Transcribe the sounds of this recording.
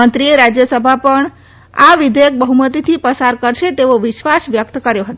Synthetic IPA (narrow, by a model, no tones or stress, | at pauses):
ənt̪ɾieɾad͡ʒjəsəbʱapəɳ | aʋɪd̪ʱəjək̚bəɦumət̪it̪ʰipəsaɾkəɾʃet̪eoʋɪʃʋasʋjəkt̪kəɾjoɦət̪